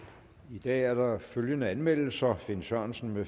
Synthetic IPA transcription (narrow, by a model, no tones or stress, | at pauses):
id̥ɛ̰ːæɐɾ̥ɑ̈føljənəænmel̰l̩sɐfe̝nsɶɐ̰nsn̩me